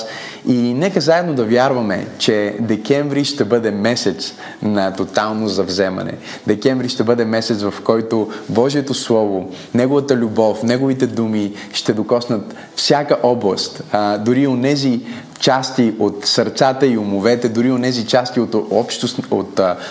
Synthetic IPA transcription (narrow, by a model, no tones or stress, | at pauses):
inɛkəzaɛd̪nod̪ɐvjaɾvɐmɛ̰t͡ʃɛd̪ɛkɛɱvɾiʃt̪ɛbɤd̪ɛmɛsɛt̪s | nɐt̪ot̪alˠnozɐvzɛmɐ̰nɛ̰ | d̪ɛkɛɱvɾiʃt̪ɛbɤd̪ɛmɛsɛt̪svɐfkɔjt̪obɔʒiɛt̪oslˠɔvo | nɛɡovɐt̪əlʲubɔfnɛɡovit̪ɛd̪umi | ʃt̪ɛd̪okɔsnət̪ | fsʲjakəʔɔblˠə̰st̪d̪ʊɾionɛzi | t͡ʃast̪iot̪sɐɾt̪sat̪əiʊmovɛt̪ɛd̪ʊɾionɛzit͡ʃast̪iot̪ɔpʃt̪oo̰t̪